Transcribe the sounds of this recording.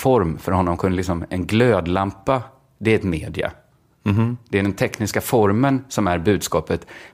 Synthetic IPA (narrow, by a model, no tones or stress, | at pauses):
fɔɾmfœɾhɔnːɔmkʰɵnːəlɪksɔmɛnɡløːd̪lampːa | d̪ɛæɾɛt̪meːd̪ɪa̰ | d̪̥ɛæɖɛnt̪ʰɛknɪskafɔɾmənsɔmæɾbʉ̟ːd̪skɑːpət̪